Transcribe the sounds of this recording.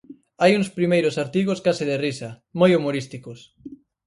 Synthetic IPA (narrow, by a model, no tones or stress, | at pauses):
ajuŋspɾimejɾʊsaɾt̪iɣ̞oskasɪðɪrisɐ | mojumoɾist̪ikos